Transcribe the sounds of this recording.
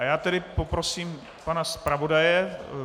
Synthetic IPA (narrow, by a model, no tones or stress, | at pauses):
jaːt̪ɛdɪpopɾosiːm | panaspɾavo̞dajɛ